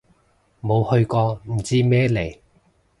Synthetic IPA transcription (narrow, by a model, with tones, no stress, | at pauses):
mo˨˧whɵ˧ɥkɔː˧m̩˨˩t͡siː˥mɛː˥le˨˩j